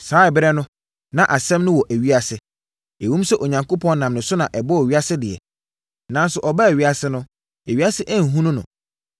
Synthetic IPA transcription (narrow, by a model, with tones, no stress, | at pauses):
saː˨˦ɛ˨bɪ˦ɾɛ˦nʊ̃˦ | nã˨ʔa˨sɛ̃˦mnʊ̃˦wɔ˨ʔæ˨ɥi˦a˨sɪ˨ | e˨wũ˦msɛ˦ʔo˨ɲã˨ŋko˦pʰɔ̃˦nnã˨mnɪ̃˨sʊ˦nã˨ʔɛ˨bɔ˦æ˨ɥi˦a˦sɪ˦dɪ˨ɛ̰˨ | nã˦n˦sʊ˨ʔɔ˨ba˦æ˨ɥi˦a˨sɪ˦nʊ̃˦ | æ˨ɥi˦a˦sɪ˦ʔæ˦n̩˨ɦũ˦nʊ̃˦nʊ̰̃˨